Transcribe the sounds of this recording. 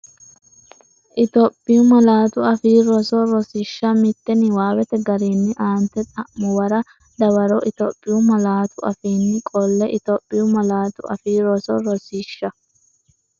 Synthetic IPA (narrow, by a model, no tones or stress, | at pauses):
ʔɪt̪ɔpʼːɪjʊmɐlaːt̪ʊɐfiːɾɔsɔɾɔsɪʃːɐmɪt̪ːɛnɪwaːwɛt̪ɛɡɐɾiːnːɪʔaːnt̪ːɛt͡s̪ʼɐʔmːɔwɐɾɐ | d̪ɐwɐɾɔʔɪt̪opʼːɪjʊmɐlaːt̪ʊɐ̰fiːnːɪkʼɔlːɛʔɪt̪ɔpʼːɪjʊmɐlaːt̪ʊʔɐ̰fiːɾɔsɔɾɔsiːʃːɐ